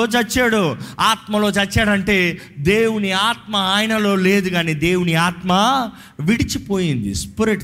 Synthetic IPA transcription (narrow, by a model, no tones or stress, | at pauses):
oːt͡ʃɐt͡ʃːaːɽuaːt̪mɐlo̞ːt͡ʃɐt͡ʃːaːɽɐɳʈe̞ːd̪e̞ːwuniaːt̪mɐaːjnɐlo̞ːleːd̪uɡaːniːd̪e̞ːwuniaːt̪mɐ | ʋiɽit͡ʃipo̞ːjind̪ḭspuɾeʈ